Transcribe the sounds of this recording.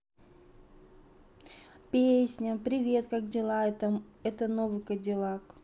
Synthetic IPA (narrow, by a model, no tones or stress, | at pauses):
pʲesʲnʲəpɾʲɪvʲe̞t̪kak̚dʲɪlˠat̪əɛt̪ənovɨkədʲɪlˠak